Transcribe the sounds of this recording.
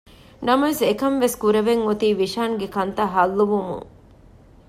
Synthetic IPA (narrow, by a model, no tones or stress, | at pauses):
nɐmɐʋesekɐmʋeskuɾɐʋeŋot̪iːʋiʃaːŋɡekɐnt̪ɐɦɐlːuʋumṵŋ